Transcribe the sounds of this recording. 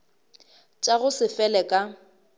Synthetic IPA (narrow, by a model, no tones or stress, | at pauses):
t͡ʃʼaɣʊsɪfɛlɛkʼa